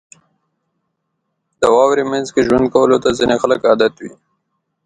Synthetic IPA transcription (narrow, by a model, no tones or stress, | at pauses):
d̪̥əwɑwɾemanzkeʒwand̪̚kawəlot̪azinexaləkɑd̪at̪wḭ